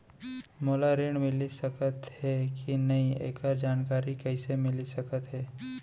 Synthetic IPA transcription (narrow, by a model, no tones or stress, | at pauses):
moːlaɾɪɽ̃mɪlisɐkət̪ɦɛkinɐɦĩḛːkəɾd͡ʒaːnkaːɾikɛɪsemɪlisɐkət̪ɦɛː